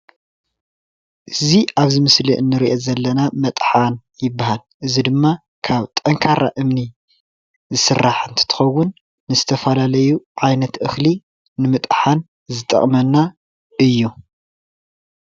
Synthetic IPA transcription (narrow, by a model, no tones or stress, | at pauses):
ʔɨziʔaβzɨmɨsliʔɨnːɨɾiʔezɐlːɐnamɐt̪ʼħan | jɪbːahalʔɨzid̪ɨmːa | kʰaβt̪ʼɐŋkʰaɾa̰ʔɨmni | zɨsɨrːaħɨnt̪ʰɨ̥t̪ʰɨ̥xɐwːʊnː | ɨzɨt̪ʰɐfɐlalɐjuʕajnɐt̪ʔɨxli | nɨmɨt̪ʼħan | zɨt̪ʼɐ̰χʼmɐnːa | ʔɨjːu